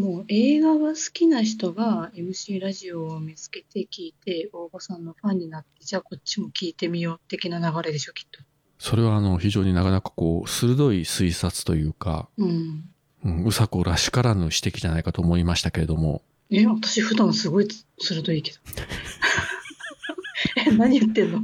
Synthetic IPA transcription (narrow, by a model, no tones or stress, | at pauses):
moːe̞ːɡaβasɨ̥kʲinaç̬i̥t̪o̞ɡae̞mɯ̟ɕiːɾaʑio̞ːmʲit͡sɨ̥ke̞t̪e̞kʲiːt̪e̞o̞ːbosãnːo̞ɸãɲ̟ːinat̪ːe̞d͡ʑaːko̞tt͡ɕːimo̞kʲiːt̪e̞mʲijo̞ːt̪ːe̞kʲinanaɡaɾe̞d̪e̞ɕo̞kʲi̥t̪ːo̞̥ | so̞ɾe̞βaːno̞çiʑo̞ːɲ̟inakanakḁko̞ːsɨɾɯ̟d̪o̞isɨisat͡sɨ̥t̪o̞jɯ̟ːka̰ɯ̟̃ɴ | ɯ̟̃ɴɯ̟sakɯɾaɕi̥kaɾanɯ̟ɕi̥t̪e̞kʲiʑanaikat̪o̞ːmo̞imaɕi̥t̪ake̞ɾe̞d̪o̞mo̞̰ | eβat̪ḁɕiɸɯ̟d̪ãɰ̃sɨɡo̞isɨɾɯ̟d̪o̞ike̞d̪o | enaɲ̟ijɯt̪ːẽ̞nːo